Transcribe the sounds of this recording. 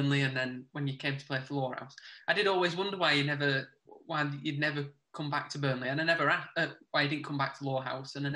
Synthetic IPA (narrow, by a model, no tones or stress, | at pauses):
nliə̃nðə̃nwə̃njəkʰẽɪ̃mtʰə̥pʰl̥eɪfəlɔːha̰ʊsaɪdɨɾɔːlˠwɪzwʊ̃ndəwaɪjɨnɛvəwaɪjɨdⁿnɛvəkʰʊ̃mbak̚tʰəbɜːnliə̃naɪnɛvə˞aəwaɪjɨdɪdⁿn̩kʰʊ̃mbak̚tʰəlɔːɦa̰ʊsə̃naɪ